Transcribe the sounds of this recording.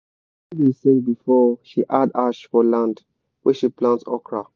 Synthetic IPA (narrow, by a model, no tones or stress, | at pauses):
isẽŋbifɔʃiʔadaʃfɔlãnd | wɛʃiplãntsɔkɹa